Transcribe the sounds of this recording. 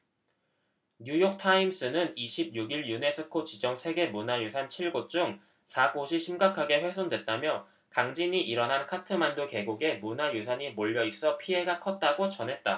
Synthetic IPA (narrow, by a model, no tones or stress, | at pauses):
ɲujok̚tʰaims͈ɯnɯniɕʰib̚juɡiɭjune̞s͈ʰɯkʰot͡ɕid͡ʑʌŋsʰe̞ɡe̞munajosʰant͡ɕʰiɭɡot͡ɕ͈uŋ | sʰaɡoɕʰiɕʰimɡakʰaɡe̞ɸwes̬͈ʰoŋdwe̞t̚t͈amjʌ | kaŋd͡ʑiɲiʔiɾʌnɦankʰatʰɯmandoke̞ɡuɡe̞munajosʰaɲimoʎːʌis͈ʌpʰie̞ɡakʰʌt̚t͈aɡot͡ɕʌnɦe̞t̚t͈a̰